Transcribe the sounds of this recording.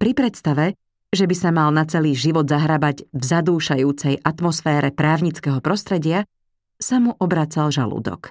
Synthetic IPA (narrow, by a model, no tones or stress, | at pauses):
pɾipɾɛt̪st̪aʋɛ | ʒɛbisamalnat͡sɛliːʒiʋɔd̪zaɦɾabaɟvzad̪uːʃajuːt͡sɛjʔat̪mɔsfɛːɾʔɛpɾaːʊɲit͡skɛɦɔpɾɔst̪ɾɛɟɪa | samuʔɔbɾaːt͡salʒa̰lṵːd̪ɔ̰k